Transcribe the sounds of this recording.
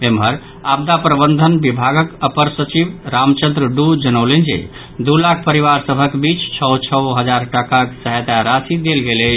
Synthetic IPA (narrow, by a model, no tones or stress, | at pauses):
emɦəɾ | ab̚d̪apɾəbənd̪ʱənbibʱaɡəkəpəɾsət͡ʃibɾamt͡ʃə̃nd̪ɾəɖud͡ʒənəʊlend͡ʒḛ | d̪ulakʰpəɾiʋaɾsəbʱəkbit͡ʃt͡ʃʰəwt͡ʃʰəwɦəd͡ʒaɾʈəkaksəɦet̪aɾasid̪elɡeləɪt͡ʃʰ